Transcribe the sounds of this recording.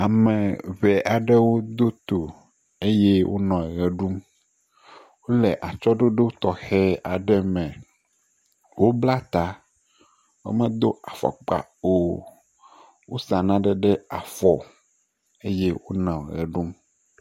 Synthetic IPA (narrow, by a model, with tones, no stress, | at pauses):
a˨mɛ̃˨βɛ˨ʔa˨ɖɛ˦wo˦d̪o˦t̪o˨ | e˦je˦wʔo̰˦nɔ̃˨ɣɛ˨ɖu˦m | wo˦lɛ˨ʔa˨t͡ʃɔ˦ɖo˦ɖe˦wo˦t̪ɔ˨xɛ˦a˨ɖɛ˦mɛ̃˨ | wo˦bla˦t̪a˨ | wo̰˦mɛ̃˦d̪o˦a˨fɔ̰˨k͡pa̰˨o˦ | wo˦sa˨nã˦ɖɛ˨ɖɛ˦a˨fɔ˨ | e˦je˦wo˦nɔ̃˨ɣɛ̰˨ɖu˦m